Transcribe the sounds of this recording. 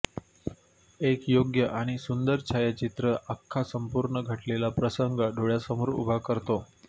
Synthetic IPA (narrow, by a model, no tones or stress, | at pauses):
ekjoɡjəʔaɽ̃isund̪əɾt͡ɕʰajat͡ɕit̪ɾəʔakʰːasəmpuɾɳəɡʱəʈlelapɾəsəŋɡaɖʱoɭjasəmuɾṵbʱakəɾt̪o